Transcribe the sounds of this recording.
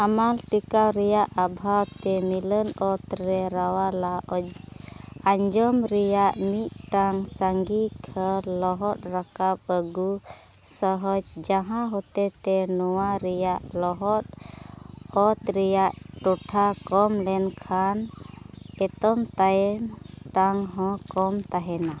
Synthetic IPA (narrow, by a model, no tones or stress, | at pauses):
amalʈikawɾɛjaʔabʱawt̪ɛmilənɔt̪ɾɛɾawalaʔɔd͡ʒ | aɲd͡ʒɔmɾɛjaʔmit̪̚ʈaŋsaŋɡikʰəlɔɦɔt̪̚ɾakap̚əɡu | səɦɔd͡ʒd͡ʒaɦãɦɔt̪ɛt̪ɛnɔwaɾɛjaʔlɔɦɔt̪̚ | ɔt̪ɾɛjaʔʈɔʈʰakɔmlɛnkʰan | ɛt̪ɔmt̪ajɛn | ʈaŋɦɔ̃kɔmt̪aɦɛna